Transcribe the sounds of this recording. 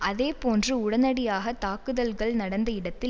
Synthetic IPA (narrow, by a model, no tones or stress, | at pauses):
ʔɐðeːpoːndrɯʊɽɐnɐɽɪjaːɣɐt̪aːkɯðɐlɣɐɭnɐɽɐnd̪ɐɪɽɐt̪ːɪ